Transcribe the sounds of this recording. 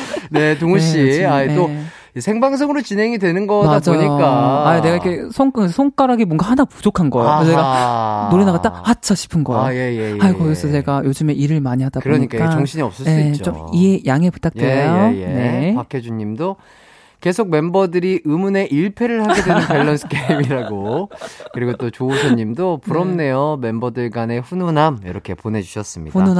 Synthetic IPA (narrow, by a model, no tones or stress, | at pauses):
ne̞toŋɕ͈iaio | isʰeŋbaŋs̬ʰʌŋɯɾot͡ɕinɦe̞ŋidwe̞nɯnɡʌmaad͡ʑaɲik͈aaine̞ɡaikʰe̞sʰʌŋksʰʌŋk͈aɾɦaɡimwʌnɡahanapud͡ʑokʰanɡʌḛokeʌeɡanoɾinaɡat͈ahat͡ɕʰaɕʰi̥pʰɯnɡʌḛojejeajkʌɡisʰʌt͡ɕe̞ɡajod͡ʑɯme̞ʔiɾɯɭmaɲiɦadaɯoɾʌɲikk͈aoŋɕʰiɲiʌp̚s͈ʌjes̞t͡ɕomiejaŋe̞pu̥t͈ʰak̚twejojne̞pakʰed͡ʑuɲːimdo | ke̞sʰoɡ̚me̞mbʌdɯɾiʔɯmune̞ʔiɭpʰe̞ɾɯɭhaɡe̞dweɯnpeɭːʌnsʰɯ̥kʰeimiɾaɡokɯɾiɡot͈ot͡ɕousʰʌɲːimdopuɾʌmne̞jome̞mbʌdɯɭɡane̞ɸunonamjʌ̰ɾʌkʰe̞pone̞d͡ʑuɕʰʌs͈ɯmɲḭɸunona